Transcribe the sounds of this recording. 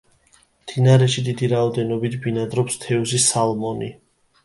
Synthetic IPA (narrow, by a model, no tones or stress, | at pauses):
md̪̥inaɾɛʃid̪id̪iɾaɔd̪ɛnɔbit̪ʰbinad̪ɾɔpst̪ʰɛuzisalmɔni